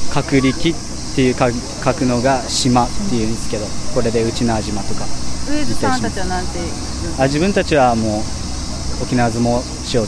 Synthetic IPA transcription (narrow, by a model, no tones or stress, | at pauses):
kʰakɯ̟ɾʲikʲit̪ːe̞jɯ̟k | kʰakɯ̟no̞ɡaɕimat̪ːe̞jɯ̟̃nd̪esɨ̥ke̞d̪oko̞ɾe̞d̪e̞ɯ̟t͡ɕinoaʑimat̪o̞kait̪ːaiimanãnt̪e | aʑibɯ̃nt̪at͡ɕiβamoː | okʲinaβazɨmo̞ | ɕio̞